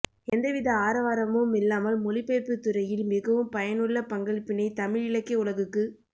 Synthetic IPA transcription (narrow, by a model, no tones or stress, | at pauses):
ɛnd̪ɐʋɪðɐaːɾɐʋaːɾɐmɯmɪlːaːmɐlmɔlɪpːeːpɯt̪ːʊrɐjɪlmɪɣɐʋɯmpɐjɐnɯɭːɐpɐŋɡɐɭpːɪnɐɪt̪ɐmɪɻɪɭɐkːɐʊɭɐɣɯkːɯ